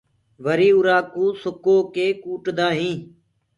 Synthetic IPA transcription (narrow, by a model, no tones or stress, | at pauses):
ʋəɾiːuɾaːkũːsʊkoːkeːkuːʈd̪aːɦĩː